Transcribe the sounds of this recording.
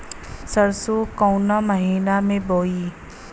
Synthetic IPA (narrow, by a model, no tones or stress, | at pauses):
səɾsokaʊnaməɦiːnamẽboːiː